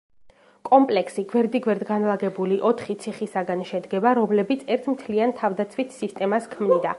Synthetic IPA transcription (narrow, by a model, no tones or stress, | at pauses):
kʼɔmpʼlɛksiɡwɛɾd̪iɡwɛɾd̪ɡanlˠaɡɛbuliʔɔt̪ʰχit̪sʰiχisaɡanʃɛd̪ɡɛbaɾɔmlɛbit̪sʰɛɾt̪ʰmt̪ʰliant̪ʰavd̪at̪sʰwit̪sist̪ʼɛmaskʰmnid̪a